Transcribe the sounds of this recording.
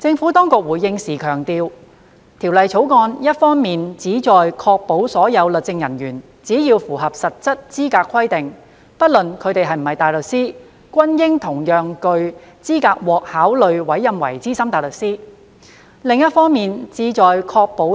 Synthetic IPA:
t͡sɪ˧ŋfuː˨˥t̪ɔː˥ŋkʊ˨k̚wuː˨˩jːɪ˧ŋsiː˨˩kʰœː˨˩ŋt̪iː˧w | t̪ʰi˨˩wlɐ˨jt͡sʰo˨˥wkɔː˧njɐ˥t̚fɔː˥ŋmiː˨nt͡siː˨˥t͡sɔː˨jkʰɔː˧k̚po˨˥wsɔː˨˥jɐ˨˧wlɵ˨˩t͡sɪ˧ŋjɐ˨˩njyː˨˩n | t͡siː˨˥jiː˧wfuː˨˩ɦɐ˨p̚sɐ˨t̚t͡sɐ˥t̚t͡siː˥kaː˧kʰːɐ˥jt̪ɪ˨ŋ | pɐ˥t̚lɵ˨nkʰɵ˨˧ɥt̪e˨jɦɐ˨jm̩˨˩hɐ˨jt̪aː˨jlɵ˨k̚siː˥ | kʷwɐ˥njɪ˥ŋt̪ʰʊ˨˩ŋjœː˨ŋkɵ˧ɥt͡siː˥kaː˧k̚wɔː˨k̚haː˨˥wlɵ˨ɥwɐ˨˥jːɐ˧mwɐ̰˨˩jt͡siː˥sɐ˥mt̪aː˨˩jlɵ˨k̚siː˥ | lɪ˨ŋjɐ˥t̚fɔː˥ŋmiː˨nt͡siː˨˥t͡sɔː˨jkʰɔː˧k̚po˨˥

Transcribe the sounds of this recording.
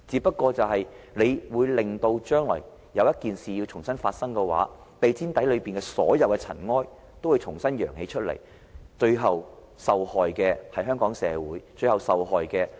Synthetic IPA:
t͡siː˨˧pɐ˥t̚kːɔː˧t͡sɐ˨wɦɐ˨jle˨˧jwuː˨˧jlɪ˨ŋt̪o˧wt͡ʃœː˥ŋlɔ̰ː˨˩j | jɐ˨˧wjɐ˥t̚kiː˨nsiː˨jiː˧wt͡sʰʊ˨˩ŋsɐ˥nfaː˧t̚sɐ˥ŋkɛ˧wa̰ː˨˥ | t̪e˨jt͡sʰiː˥nt̪ɐ˨˥jlɵ˨˧ɥpiː˨nkɛː˧sɔ̰ː˨˥jɐ˨wkɛ˧t͡sʰɐ̰˨˩nŋɔː˥j | t̪o˥wu˨jt͡sʰʊ˨˩ŋsɐ˥njœː˨˩ŋhe˨˥jt͡ʃʰɵ˥t̚lɐ̰˨˩j | t͡ʃɵ˧ɥɦɐ˨w | sɐ˨whɔː˨jkɛː˧hɐ˨jɦœː˥ŋkɔː˨˥ŋsɛː˨˧wuː˨˥jt͡ʃɵ˧ɥhɐ˨wsɐ˨wɦɔː˨jkɛː˧

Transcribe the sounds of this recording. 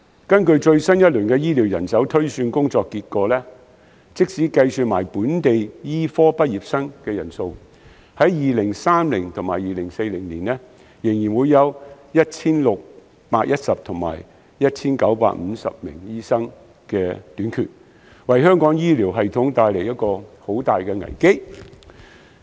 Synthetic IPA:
kɐ˥nkɵ˧ɥt͡ʃɵ˧ɥsɐ˥njɐ˥t̚lɵ˨˩nkɛː˧jiː˥liː˨˩wjɐ˨˩nsɐ˨˥wt̪ʰɵ˥ɥsyː˧nkʊ˥ŋt͡sɔː˧kːiː˧t̚kɔː˧lɛː˥ | t͡sɪ˥k̚siː˨˥kɐ˧jsyː˨t̚ma̰ː˨˩jpuː˨˥nt̪e˨jjiː˥fɔː˥pɐ˥t̚jiː˨p̚sɐ˥ŋkɛː˧jɐ˨˩nso˧w | hɐ˨˥jjiː˨lɪ˨˩ŋsaː˥mlɪ˨˩ŋt̪ʰʊ˨˩ŋmaː˨˩jiː˨lɪ˨˩ŋse˧jlɪ˨˩ŋliː˨˩nlɛː˥ | jɪ˨˩ŋjiː˨˩nwuː˨˧jɐ˨˧w | jɐ˥t̚t͡sʰiː˥nlʊ˨k̚ | paː˧k̚jɐ˥t̚sɐ˨p̚t̪ʰʊ˨˩ŋma̰ː˨˩j | jɐ˥t̚t͡sʰiː˥nkɐ˨˥wpa̰ː˧˥k̚m̩˨˧˦sɐ̰˨p̚mɪ̰˨˩ŋjiː˥sɐ˥ŋ | kɛː˧t̪yː˨˥nkʰy̰ː˨t̚ | wɐ˨˩jɦœː˥ŋkɔː˨˥ŋjiː˥liː˨˩wɦɐ˨jt̪ʰʊ˨˥ŋt̪aː˧jle˨˩jɐ˥t̚kɔː˧ho˨˥wt̪aː˨jkɛː˧ŋɐ̰˨˩jke˥j

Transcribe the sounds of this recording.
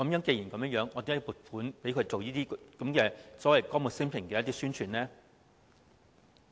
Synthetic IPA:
kɐ˨˥mjœː˨˥ŋke˧jiː˨˩nkɐ˨˦mjœ˥ŋjœː˨˥ŋɔː˨˧t̪eː˨˥jpuː˨˩t̚fuː˨˥npe˨˥jkʰɵ˧ɥt͡so˨wjiː˥t̪iː˥kɐ˨˦mkɛː˧sɔː˨˥wɐ˨jkɔː˥ŋmu˨t̚sɪ˥ŋpʰɪ˨ŋkɛː˧jɐ˥t̪i˥syː˥nt͡ʃʰyː˨nlɛː˥

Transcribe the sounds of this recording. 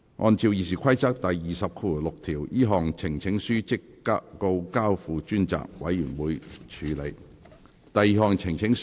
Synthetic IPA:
ʔɔ̰ː˧nt͡sʰiː˧wjiː˧s̬iː˨kʰɐ˥jt͡sɐ˥k̚t̪ɐ˨jːiː˨sɐ˨p̚kʰuː˧˨˩lʊ˨k̚t̪ʰiː˨˩wjiː˥ɦɔː˨ŋt͡sʰɪ˨˩ŋt͡sʰɪ˨˥ŋsyː˥t͡sɪ˥kː | aː˥o˧wkaː˥wfuː˨˧t͡ʃyː˥nt͡sa̰ː˨k̚wɐ˨˥jːyː˨˩nwuː˨˧jt͡ʃʰyː˨˧˥le˨˧j | t̪ɐ˨jːiː˨ɦɔː˨˧ŋt͡sʰɪ˨˩ŋt͡sʰɪ˨˥ŋ

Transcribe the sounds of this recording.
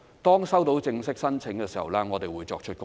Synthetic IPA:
t̪ɔː˥ŋsɐ˥wt̪o˨˥wt͡sɪ˧ŋsɪ˥k̚sɐ˥nt͡sʰɪ˨˥ŋkɛː˧si˨hɐ̰˨˩wlɛ˦˥ŋɔː˨˧t̪e˨jwuː˨˧jt͡ʃɔː˧k̚t͡ʃʰɵ˥t̚kʊ˥

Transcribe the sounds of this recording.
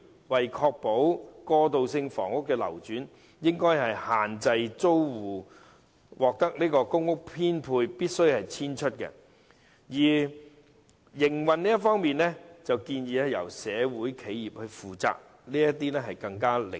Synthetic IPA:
wɐ˨jkʰɔː˧k̚po˨˥wkɔː˧t̪o˨wsɪ˧ŋfɔ̰ː˨˩ŋʊ˥kːɛː˧lɐ̰˨˩wt͡ʃyː˨˥n | jɪ˥ŋkɔː˥jɦɐ˨jhaː˨nt͡sɐ˧jt͡so˥wwuː˨˩ | wʔɔː˨k̚t̪ɐ˥k̚niː˥kɔː˧kʊ˥ŋːʊ˥k̚pʰiː˥npʰuː˧jpiː˥t̚sɵ˥ɥhɐ˨jt͡sʰiː˥nt͡ʃʰɵ˥t̚kɛ̰˧ | jiː˨˩ | jɪ˨˩ŋwɐ˨nniː˥jɐ˥tfɔː˥ŋmiː˨nlɛ˥t͡sɐ˨wkiː˧njiː˨˧ɛ˨˧jɐ̰˨˩wsɛː˨˧wuː˨˥jkʰe˨˧jjiː˨p̚hɵ˧ɥfuː˨t͡sa̰ː˨˧k̚ | niː˥jɐ˥t̪ːiː˥nɛ˥ɦɐ˨jkɐ˧ŋkaː˥lɪ̰˨

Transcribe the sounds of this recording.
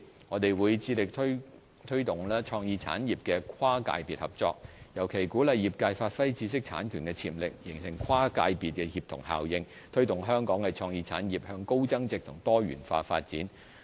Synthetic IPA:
ŋɔː˨˧t̪e˨jwuː˨˧jt͡siː˧lɪ˨k̚t̪ʰ | t̪ʰɵ˥t̪ʊ˨˩ŋlɛː˥t͡ʃʰɔː˧ŋjiː˧t͡sʰa̰ː˨˥njiː˨p̚kɛː˧kʰwaː˥ka̰ː˧jpiː˨t̚hɐ˨p̚t͡sɔ̰ː˧k̚jɐ˨˩wkʰe˨˩jkuː˨˥lɐ˨jːiː˨˩p̚kaː˧jfaː˧t̚fɐ˥jt͡siː˧sɪ˥k̚t͡sʰa̰ː˨˥nkʰyː˨˩nkɛ˧t͡sʰḭː˨˩mlɪ˨k̚jɪ˨˩ŋsɪ˨˩ŋkʰaː˥ka̰ː˧jpiː˨t̚kɛ˧hiː˨p̚t̪ʰʊ˨˩ŋha̰ː˨˩wjɪ˧ŋ | t̪ʰɵ˥ɥt̪ʊ˨ŋɦœː˥ŋkɔː˨˥ŋkɛ˧t͡ʃʰɔː˧ŋjiː˧t͡sʰa̰ː˨˥njiː˨p̚hœː˧ŋko˥wt͡sɐ˥ŋt͡sɪ˨k̚t̪ʰʊ˨˩ŋt̪ɔː˥ɥy̰ː˨˩nfa̰ː˧fa̰ː˧t̚t͡siː˨˥n

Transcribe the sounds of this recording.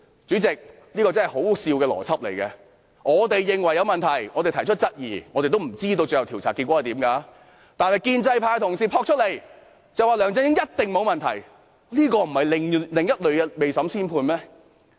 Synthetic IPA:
t͡syː˨˥t͡sɪ˨k̚ | liː˥kɔː˧t͡sɐ˥nhɐ˨jho˨˥wsiː˧wkɛː˧lɔ̰ː˨˩t͡sʰɐ˥p̚le˨˩jkɛː˧ | ŋɔː˨˧t̪e˨jːɪ˨ŋwɐ˨˩jːɐ˨˧wmɐ˨nt̪ʰɐ˨˩jŋɔː˨˧e˨jt̪ʰɐ˨˩jt͡ʃʰɵ˥t̚t͡sɐ˥t̚jiː˨˩ŋɔː˨˧t̪e˨jt̪wm̩˨˩t͡siː˥t̪o˧wt͡sɵ˧jɐ˨wt̪ʰi˨˩wt͡sʰaː˨˩kiː˧kʷɔː˨˥ɐ˨jt̪iː˨˥mkaː˧ | t̪aː˨nhɐ˨jkiː˧nt͡sɐ˧jpʰaː˧jt̪ʰʊ˨˩ŋsiː˨˩pʰɔː˧k̚t͡ʃʰɵ˥t̚le˨˩j | t͡sɐ˨waː˨lœː˨˩ŋt͡sɪ˧˥ŋjɪ˥ŋjɐ˥t̚t̪ɪ˨ŋmo˨˧wmɐ˨nt̪ʰɐ˨˩j | liː˥kɔː˧m̩˨˩hɐ˨jlɪ˨ŋlɪ˨ŋjɐ˥t̚lɵ˨˧ɥɛ˧me˨jsɐ˨˥msiː˥npʰuː˧nmɛː˥

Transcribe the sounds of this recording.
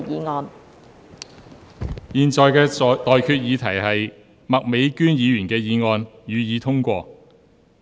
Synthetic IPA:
jiː˨˧ŋɔː˧n | jiː˨nt͡ʃɔː˨jkɛː˧t̪ɔː˨jkʰyː˧t̚jiː˨˧t̪ʰɐ˨˩jhɐ˨j | mɐ˨k̚me˨˥jkyː˥njiː˨˧jyː˨˩nkɛː˧jiː˨˧ŋɔː˨˧njyː˨˧jiː˨˧˥t̪ʰʊ˥ŋkʷɔː˧

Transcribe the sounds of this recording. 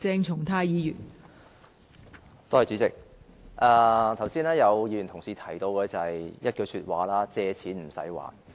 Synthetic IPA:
t͡sɛː˧ŋt͡sʰʊ˨˩ŋt̪ʰaː˧jjiː˨˧jyː˨˩n | t̪oː˥hɐ˨jt͡ʃy˨˧˥t͡sɪ˨k̚ | ʔaː˧t̪ʰɐ˨˩wsiː˥naː˥jɐ˨˧wjiː˧˥jyː˨˩nt̪ʰʊ˨˩ŋsiː˨˧t̪ʰɐ˨˩jt̪o˧wkʰə˨˧t͡sɐ˨hɐ˨jjɐ˥t̚kɵ˧ɥsyː˧t̚waː˨˥laː˥t͡sɛː˨˧t͡sʰiː˨˥nm̩˨˩sɐ̰˨˥jwa̰ː˨˥n

